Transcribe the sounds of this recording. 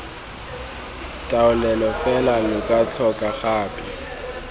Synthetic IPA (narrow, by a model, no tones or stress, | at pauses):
tʼaʊlɛlɔfɛlalʊkʼat͡sʰɔkʼaχaːpʼɪ